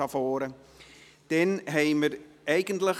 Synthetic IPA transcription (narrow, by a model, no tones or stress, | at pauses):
afoːɾə | d̥ɛnɦejmərɛjɡəntlə